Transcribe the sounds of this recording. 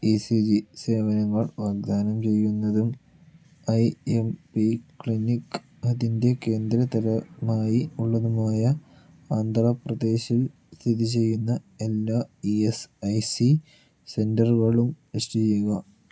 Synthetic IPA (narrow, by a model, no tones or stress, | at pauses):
isid͡ʑise̞ːʋɐnɐŋːɐɭʋaːɡ̚d̪aːnɐmt͡ɕe̞jːunːɐðum | ɐjempikɭinikː | ɐðinde̞ke̞ːnd̪ɾɐt̪ɐɾɐmaːjiuɭːɐðumaːjɐ | aːnd̪rɐprɐd̪e̞ːɕil | st̪ʰiðit͡ɕe̞jːunːɐ | elːaːiesɐjsi | se̞ndɐrɣɐɭum | iʂʈit͡ɕe̞jːuɣɐ